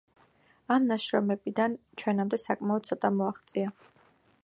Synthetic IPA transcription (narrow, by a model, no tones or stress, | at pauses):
amnaʃɾɔmɛbid̪ant͡ʃʰwɛnamd̪ɛsakʼmaɔd̪̚sʰɔt̪ʼamɔaχt̪sʼia